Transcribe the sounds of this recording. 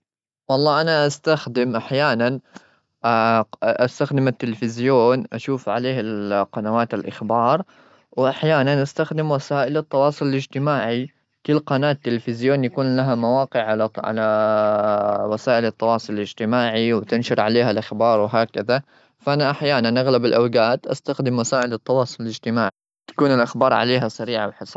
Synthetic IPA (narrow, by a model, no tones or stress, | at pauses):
wɑlˤːɑːʔanaʔast̪axd̪ɪmʔaħjaːnan | ʔaʔast̪axd̪ɪmat̪ːɪlfɪzjoːnʔaʃuːfʕaleːhalqɑnawaːt̪alʔa̰xbɑːɾˤ | wʔaħjaːnanʔast̪axd̪ɪmwasaːʔɪlɑt̪ˤːɑwɑːsˤʊlɪlɪd͡ʒt̪ɪmaːʕi | kʊlːqɑnaːt̪ːɪlfɪzjoːnjakuːnlaɦamawɑːqɪʕʕalaʕa̰la | wasaːʔɪlɑt̪ˤːɑwɑːsˤʊlɪlɪd͡ʒt̪ɪmaːʕiwt̪ɪnʃʊɾˤʕaleːɦalʔaxbɑːɾˤwɪɦaːkɪða | fʔanaʔaħjaːnanʔaɣlabɪlʔawɡaːt̪ʔa̰st̪axd̪ɪmwasaːʔɪlɪt̪ˤːɑwɑːsˤʊlɪlɪd͡ʒt̪ɪmaːʕi | t̪ḁkuːnɪlʔaxbɑːɾˤʕa̰leːɦasaɾiːʕawħɪsˤ